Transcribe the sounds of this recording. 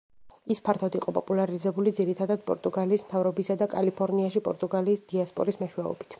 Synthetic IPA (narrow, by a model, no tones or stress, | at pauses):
ispʰaɾt̪ʰad̪iqʼɔpʼɔpʼulaɾizɛbulid̪ziɾit̪ʰad̪ad̪̚pʼɔ̰ɾt̪ʼuɡaliːsmt̪ʰavɾɔbisad̪akʼalipʰɔɾniaʃipʼɔ̰ɾt̪ʼuɡaliːsd̪̥iaspʼɔ̰ɾismɛʃwɛɔ̰bi̥t̪ʰ